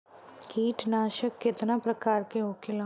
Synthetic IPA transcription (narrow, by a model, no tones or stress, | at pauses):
kiːʈnaːʃəkːɪt̪nãːpɾəkaːɾkeɦoːkɪla